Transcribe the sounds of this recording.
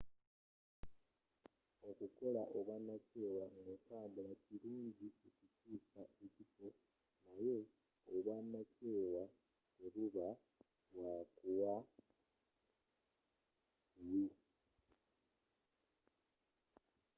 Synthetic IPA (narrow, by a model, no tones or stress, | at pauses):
o̞kuko̞laʔoβwanace̞ːwaŋekaːmbulaciluːɲɟiecicuːkaecifo̞ | najeː | βwanace̞ːwa | eβuβa | βwakuwa | u